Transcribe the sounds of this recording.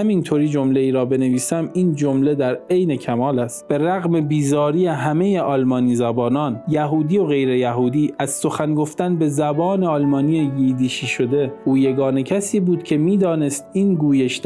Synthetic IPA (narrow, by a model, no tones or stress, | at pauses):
æmint̪ʰoːɾiːd͡ʒomle̞iːɾɒːbe̞ne̞viːsæmiːnd͡ʒomle̞d̪æɾe̞jne̞cʰæmɒːlæst̪̚b̥e̞ɾæɣme̞biːzɒːɾiːjeɦæmeje̞ʔɒːlmɒːniːzæbɒːnɒːnjæɦuːd̪iːo̞ɣe̞jɾe̞jæɦuːd̪iːʔæzso̞xænɡo̞ft̪ænbe̞zæbɒːne̞ɒːlmɒːniːjejiːd̪iːʃiːʃod̪e̞ʔuːje̞ɡɒːne̞cʰæsiːbuːd̪cʲʰe̞miːd̪ɒːne̞st̪iːnɡuːjeʃt̪